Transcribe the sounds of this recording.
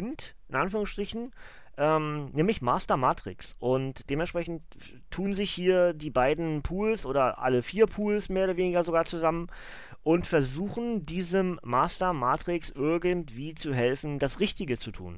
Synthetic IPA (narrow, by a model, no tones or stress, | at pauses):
ɪntʔɪnʔanfyːʁʊŋsʃtʁ̥ɪçn̩ | ʔɛːmnɛːmlɪçmaːstɐmaːtʁ̥ɪ̰ksʔʊntd̥eːmɛntʃpʁ̥ɛçn̩t | tʰːuːnzɪçhiːɐdiːbaɪdn̩pʰuːlsʔoːdɐʔa̰ləfiːɐpʰuːlsmeːɐoːɾɐveːnɪɡɐzoɡaːɐt͡suzamən | ʔʊntfɛɐzuːxn̩diːzəmːaːstɐmaːtʁ̥ɪksʔɪɐɡəntv̥iːt͡suɦɛlfn̩dasʁɪçtɪɡət͡sutʰṵːn